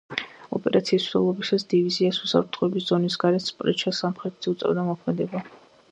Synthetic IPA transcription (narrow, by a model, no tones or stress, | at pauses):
ɔ̰pʼɛɾʔat̪sʰiːsʰɛ̰lˠɔbisasd̪̥iviziasusa̰pt̪ʰχɔɛbisz̥ɔnisɡaɾɛt̪spʼɾɛ̰t͡ʃʰasamχɾɛt̪ʰz̥iut̪sʼɛ̰vd̪amɔkʰmɛd̪ɛba